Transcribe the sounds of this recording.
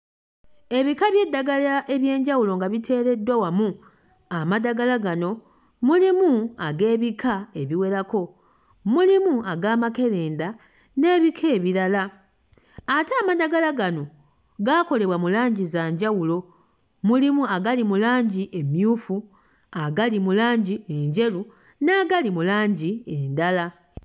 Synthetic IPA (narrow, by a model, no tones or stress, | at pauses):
e̞βikaβje̞dːaɡalaʔe̞βje̞ːɲɟawulo̞ŋɡaβitʰe̞ːɾe̞dːwawamu | amadaɡalaɡano̞ | mulimuaɡe̞ːβikʰae̞βiwe̞ɾako̞ | mulimuaɡaːmake̞le̞ːnda | ne̞ːβikʰe̞ːβiɾala | ateaːmadaɡalaɡano̞ | ɡako̞le̞βwamulaːɲɟizaːɲɟawulo̞ | mulimuaɡalimulaːɲɟiʔe̞mjuːfu | aɡalimulaːɲɟie̞ɲɟe̞lu | naːɡalimulaːɲɟiendala